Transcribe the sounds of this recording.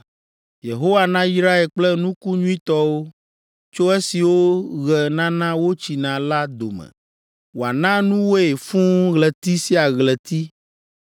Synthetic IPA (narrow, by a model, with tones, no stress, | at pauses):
je˨ɦo˦wa˨nã˦ji˦sɾa˦ɛ˨k͡plɛ˦nũ˦ku˦ɲũ˦ĩ˦t̪ɔ˦wo˦ | t͡ʃo˦e˦si˨wo˦ɣɛ˨nã˦nã˦wo˦t͡ɕi˨nã˨la˦d̪o˨mɛ̰̃˨ | wo˨a˨nã˦nũ˦wo˦e˨fũ˦ɣlɛ˨t̪i˦si˦a˨ɣlɛ˨t̪i˦